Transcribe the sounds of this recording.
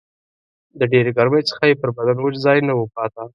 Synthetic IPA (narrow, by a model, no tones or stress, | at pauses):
d̪əɖeɾeɡaɾməjt͡sə̥xajepəɾbad̪anwəd͡ʒzɑjnawəpɑt̪a